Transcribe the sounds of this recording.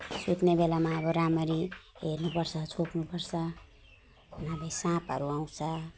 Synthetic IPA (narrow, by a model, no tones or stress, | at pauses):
sut̪nebelamaːβʌɾamʌɾiɦernupʌrt͡sʰʌt͡sʰopnupʌrt͡sʰʌ | nabʱʌjsãpʌɾuaw̃t͡sʰʌ